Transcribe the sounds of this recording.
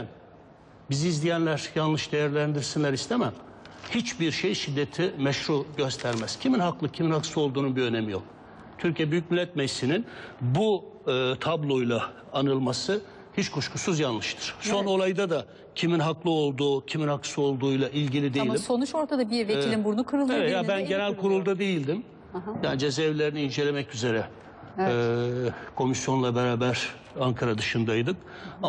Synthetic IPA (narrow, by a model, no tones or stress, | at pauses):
æn | biziːzlʲijænlʲæɾjanlˠɯʃd̪e̞jæɾlʲænd̪iɾsinlʲæɾist̪ʰemæm | hit͡ʃbiɾʃejʃid̪ːet̪ʰimɛʃɾuɟø̞st̪ʰæɾmæz̥cʰiminhaklˠɯcʰiminhaksɯo̞lˠd̪uːnunbiønemijo̞̰k̚ | t̪ʰyɾcʰijɛbyjyc̚milʲːɛt̪̚mɛjsininbu | t̪ʰablˠo̞jlˠaː | nɯlˠmasɯ | hit͡ʃkʰuʃkʰusuzjanlˠɯʃt̪ʰɯ̥ɾ̥so̞no̞lˠajd̪ad̪a | cʰiminɦaklˠɯo̞lˠd̪uːcʰiminhaksɯo̞lˠd̪uːjlˠaʔilʲɟilʲid̪eimʲso̞nut͡ʃo̞ɾt̪ʰad̪abiɾveilʲimbuɾnukʰɯɾɯlˠevɛt̪jabænɟe̞nælʲkʰuɾulˠd̪ad̪e̞jilʲd̪im | ɦjaːnid͡ʒezɛvlʲe̞ɾiniːnd͡ʒe̞lʲe̞mɛcyze̞ɾɛ | kʰo̞misjo̞nlˠabeɾaːbæɾ̥ | aŋkʰaɾad̪ɯʃɯnd̪ajd̪ɯka